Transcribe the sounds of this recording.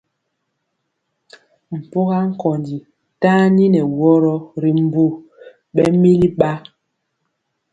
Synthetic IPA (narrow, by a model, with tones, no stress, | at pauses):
m̩˨po˦ɣa˦ŋ̩˦kɔ˨ndi˨ | taː˦ni˦nɛ˨wɔ˦ɾɔ˦ɾi˨m˨bo˦ | ɓɛ˦mi˦li˦ɓa˦